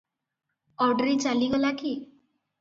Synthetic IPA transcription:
ɔɾɖɾit͡ʃaliɡɔlaki

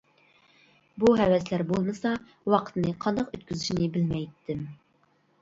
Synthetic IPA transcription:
buɦɛwɛslæɾbolˠmɨsɑ | wɑqʰə̥t̪nɨqʰɑnd̪ɑqøt̪̚kʲʰyzyʃinɪbɪlmɛjt̪ʰːɪm

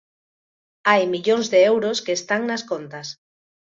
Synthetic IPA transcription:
ajmiʎoŋzðeewɾoskeːst̪aŋnaskont̪as

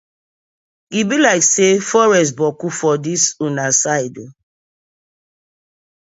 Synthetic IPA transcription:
ibilaɪksefɔɹɛs̬tbɔkufɔdisunasaɪdo

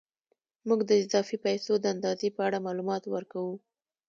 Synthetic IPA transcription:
muɡd̪əɪzɑfipajsod̪əand̪ɑzepəaɽamɑlumɑt̪wəɾkawu

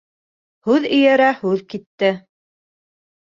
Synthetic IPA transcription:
hʉðɵ̆jæɾæhʉðkit̪ːɘ

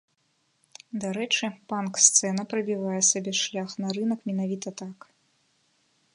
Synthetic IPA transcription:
d̪aɾɛt͡ʂɨpankst̪sɛnɐpɾɐbʲivajɛsabʲɛʂlʲaxnɐɾɨnɐkmʲɛnavʲit̪ɐt̪ak

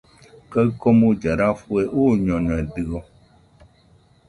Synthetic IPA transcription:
kəɣkɔmud͡ʒaɾafueʔoɲɔ̃ɲɔ̃ɛdɨɣɔ

